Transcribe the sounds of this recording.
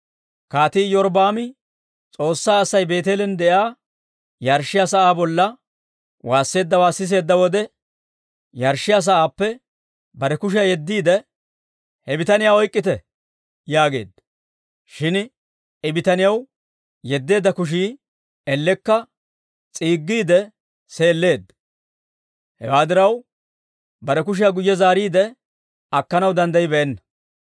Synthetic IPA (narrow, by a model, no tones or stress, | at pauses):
kaːt̪iːjɔɾbaːmɪ | t͡sʼo̞ːsːaːsːɐjbe̞ːt̪eːlɛnd̪ɛʔaː | jɐɾʃɪjaːsɐʔaːbɔlːɐ | waːsːe̞ːd̪ːɐwaːsːɪs̬e̞ːd̪ːɐwɔd̪ɛ | jɐɾʃːɪjaːs̬ɐʔaːpːɛ | bɐɾɛkʊʃ̬ɐjɛd̪ːiːd̪ɛ | hɛbɪt̪ɐnɪjaɔjkʼːɪt̪ɛ | jaːɡe̞̰ːd̪ | ʃɪn | ɪbɪt̪ɐnɪjɐw | jɛd̪ːe̞ːd̪ːɐkʊʃ̬iː | ɛlːɛkːɐ | t͡sʼiːɡːiːd̪ɛ | se̞ːlːe̞ːd̪ | hɛ̰waːd̪ɪɾɐw | bɐɾɛk̬ʊʃ̬ɪjaɡʊjːɛzaːɾiːd̪ɛ | ɐkːɐnɐwd̪ɐnd̪ɐjɪbɛʔɛnːɐ̥